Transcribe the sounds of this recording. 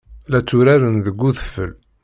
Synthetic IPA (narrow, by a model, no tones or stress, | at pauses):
læt͡sːuɾæɾənðəɡʷːuθə̥fːəl